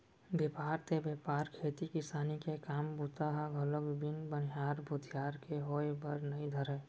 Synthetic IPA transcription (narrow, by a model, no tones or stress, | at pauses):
bepaːɾt̪ebepaːɾkʰeːt̪ikɪsaːnikekaːmbut̪aɦaɡʱələkbɪnbənɦaːɾbʱʊd̪ʱijaːɾkeɦoːebəɾnəĩd̪ʱəɾɛ